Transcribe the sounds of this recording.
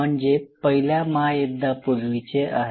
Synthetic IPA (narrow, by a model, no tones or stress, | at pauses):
əɳd͡zepəɦiljaməɦajed̪ːapolʋit͡ɕeʔa̰ɦ